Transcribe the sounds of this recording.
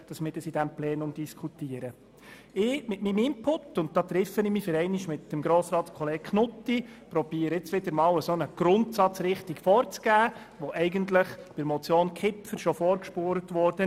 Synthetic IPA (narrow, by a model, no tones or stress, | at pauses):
d̥ɑsmɪːɾdəsid̥æmplɛːnʊmd̥iskʰutiːəɾə | ɪːmɪtmimɪmpʰʊtːʊnt̚d̥̪ɑːt̪ɾɪfənɪmifɪɾɛɪniʃmɪtːəmɡɾoːsɾɑːt̪skʰɔleːɡ̥kʰnʊtːipɾɔbiːəɾɪt͡sʋɪdəɾmɑːwəsonəɡ̥ɾʊntsɑt͡sɾɪχtikfɔːɾt͡sɡ̥æː | ʋɔʔɛɪɡəntləχpɪɾmɔt͡sjoːnkʰɪpfəɾʃɔfɔːɾkʃpoːɾətʋɔɾd̥ə